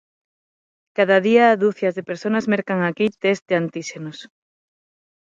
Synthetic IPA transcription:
kaðaðiaːðuθjazðepeɾsonazmeɾkaŋakit̪ezd̪ɪant̪iʃenos

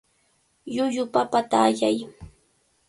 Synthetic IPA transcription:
jʊʎʊpapat̪aʎaj

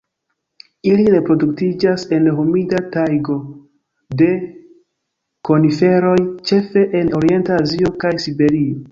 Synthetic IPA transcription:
iliɾe̞pɾo̞duktid͡ʒase̞nɦumidatajɡo̞ | de̞ | ko̞nife̞ɾo̞jt͡ʃe̞fe̞ʔeno̞ɾie̞ntaːzio̞kajsibe̞ɾio̞

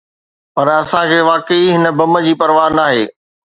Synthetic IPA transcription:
pɐɾɐsãkʰeːʋaːkəiɦɪnəbɐmə̆d͡ʑiːpɐɾʋaːɾnaːɦḛː

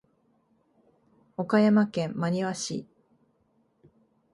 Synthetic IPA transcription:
o̞kajamakẽ̞mːaɲ̟iβaɕḭ

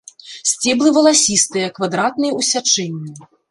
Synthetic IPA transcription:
sʲt͡sʲɛblˠɨvɐlˠasʲist̪ɨjɐkvad̪ɾat̪nɨjɐusʲat͡ʂɛnʲːi

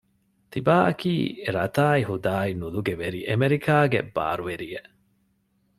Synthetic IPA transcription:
t̪ibaːʔɐkiːɾɐt̪aːiɦud̪aːinuluɡeʋeɾiʔemeɾikʰaːɡḛb̥a̰ːɾuʋeɾieʔ

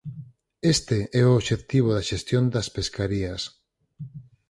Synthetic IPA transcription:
est̪eɛooβʃet̪iβ̞oðɐʃest̪jond̪ɐspeskaɾiɐs

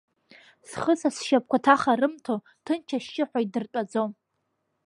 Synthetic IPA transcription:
sχəsasʃap̚kʷʰatʰaχarɨmtʰo | tʰɨnt͡ʃʰaʃːɪħʷᶣaidɨrkʼad͡zom

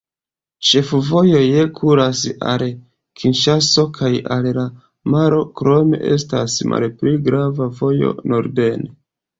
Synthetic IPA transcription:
t͡ʃe̞fuvo̞jo̞jekʰuɾasa̰l | kʰinʃaso̞kʰajalla | maɾo̞kɾo̞me̞̰ʔe̞̰stasmʔa̰lpliɡɾavavo̞jo̞̰no̞ɾde̞ne

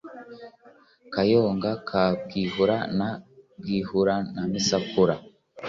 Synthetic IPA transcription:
kajoːŋɡakʰab̚ɡiːhuɾanab̚ɡiːhuɾanamisakuɾa

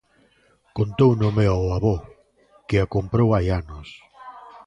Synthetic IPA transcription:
kont̪ownomeawaβɔ | kɪakompɾowajanʊs

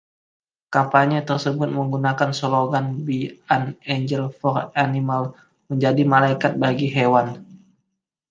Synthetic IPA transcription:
kampaɲət̪ərsəbʊt̪̚məŋɡunakansoloɡanbianɛɲd͡ʒəlfɔranimal | məɲd͡ʒadimalaikat̪̚baɡiɦewan

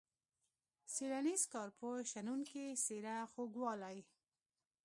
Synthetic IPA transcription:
siɾanizkɑɾpoʃanunkeseɾaxoɡwɑlaj

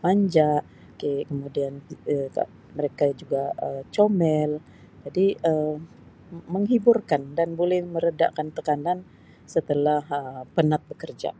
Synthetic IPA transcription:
maɲd͡ʒaʔ | kekəmudianək | məɾekad͡ʒuɡaət͡ʃomɛl | d͡ʒadiə | məŋɦiburkandanbolɛhməɾəda̰ʔkant̪əkanan | sət̪əlahəpənat̪̚bəkərd͡ʒa̰

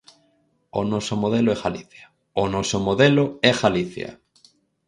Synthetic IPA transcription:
onosomoð̞eloeɣaliθja | onosomoðeloeɣaliθja̰

